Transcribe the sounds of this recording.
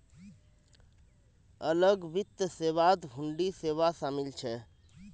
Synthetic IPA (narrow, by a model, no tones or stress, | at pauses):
ələɡbit̪ːəseʋad̪ɦuɳɖiseʋasamilt͡ʃʰɛ